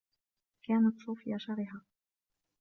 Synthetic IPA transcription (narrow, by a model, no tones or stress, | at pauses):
kaːnat̪sˤuːfɪjaʃɑɾɪɦaː